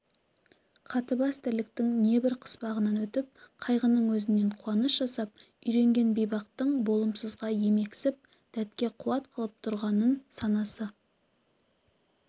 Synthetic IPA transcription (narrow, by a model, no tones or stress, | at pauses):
qʰɑt̪əbɑst̪ɪɾlɪk̚t̪ɪŋne̞bɪɾqʰə̥spɑʁənɑnwɵt̪ɪp̚qʰɑjʁənːəɴwɵzɪnːe̞ɴqʰuwɑnəsʒ̥ɑsɑp̚ | ʏjɾe̞ŋɡʲe̞nbijbɑq̚t̪əɴbo̞lˠəmsəzʁɑje̞me̞ksɪp̚ | d̪̥æt̪kʲe̞qʰuwɑt̪qʰəlˠəp̚t̪ʰʊɾʁɑnənsɑnɑsə